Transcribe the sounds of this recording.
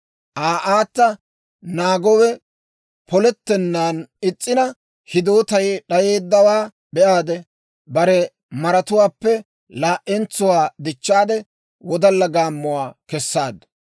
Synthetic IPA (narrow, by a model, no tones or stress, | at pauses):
ʔaːʔaːt̪ːɐ | naːɡɔwɛ | pɔlɛt̪ːɛnːaːnɪt͡sʼːɪnɐ | hɪd̪o̞ːt̪ɐjɗɐje̞ːd̪ːɐwaː | bɛʔaːd̪ɛ | bɐɾɛ | mɐɾɐt̪ʊwaːpːɛ | laːʔʔɛnt͡sʊwaːd̪ɪt͡ʃːaːd̪ɛ | wɔd̪ɐlːɐɡaːmːʊwaːkɛsːaːd̪ɐ